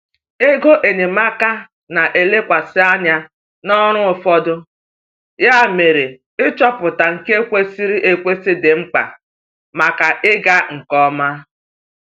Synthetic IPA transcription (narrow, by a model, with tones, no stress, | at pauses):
e˦ɡo˦ʔe˨ne˨ma˦ka˦ | na˨ʔe˨le˦kʷa˨sɪ˦a˦ɲa˦ | nɔ˦ɾ̃ʊ˦ʊ˨fɔ˦dʊ˦ | ja˦˨me˨ɾe˨ | ɪ˦t͡ʃɔ˦pʊ˨ta˨ŋ̩˨ke˦kʷe˦si˦ɾi˦ʔe˦kʷe˦si˦dɪ˨ŋ͡m̩˦k͡pa̰˨ | ma˨ka˨ʔɪ˦ɡa˦ŋ̩˨kɔ˦ma˦